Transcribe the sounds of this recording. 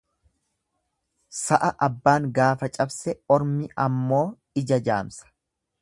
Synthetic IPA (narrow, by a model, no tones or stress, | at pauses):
sɐʔɐʔɐbːaːŋɡaːfɐt͡ʃʼɐbsɛɔɾmɪʔɐmːo̞ː | ɪd͡ʒɐd͡ʒa̰ːmsɐ̥